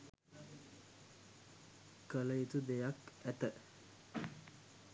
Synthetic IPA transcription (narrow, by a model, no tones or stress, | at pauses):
kələit̪ud̪ejakæt̪ə